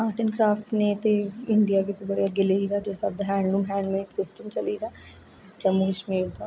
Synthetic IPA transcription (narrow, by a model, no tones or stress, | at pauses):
aːʈənkɾaːfʰʈneːt̪eɪɳɖijaːkɪt̪obəɾijaɡɪleiɾaːd͡ʒeːsab̚d̪aɦɛ̃ːɳɖɾuːmɦɛ̃ːɳɖmeːʈsɪsʈəmt͡ʃəliːɾaː | t͡ʃəmːuːkəʃmiːɾd̪aː